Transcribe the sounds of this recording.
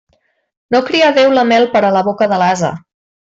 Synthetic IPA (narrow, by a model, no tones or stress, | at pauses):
nokɾiəðewləmɛlˠpəɾələβokəðəlazə̰